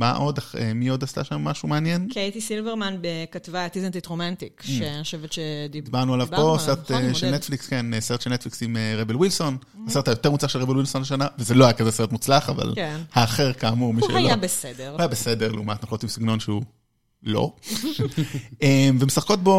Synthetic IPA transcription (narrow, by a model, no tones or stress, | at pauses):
maʔo̞daχḛmio̞d̪ast̪a̰ʃamːaʃumeanjenkait̪isilveʁmanbekatvat̪izant̪it̪ʁomant̪ikʃeoʃevetʃedidibaʁnualavo̞seʁeteʃelnet̪flikskeneseetʃelnet̪fliksimeʁebelwilso̞n | aset̪ajot̪eʁmut͡slaχʃelʁebelwilsonleʃanavezeloajakazeseʁetmut͡slaχava̰lkenhaːχeʁkaːmumiʃḛaljoabesedeʁuajabesedeʁlḛumat̪naχlot̪imsiɡno̞nʃeu | lo̞̰ | emvemesaχko̞t̪̚bo̞